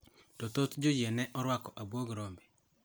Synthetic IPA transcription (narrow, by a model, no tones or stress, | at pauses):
tɔt̪ot̪d͡ʒod͡ʒjenɛʔɔɾwakɔʔabwoɡɾɔmbe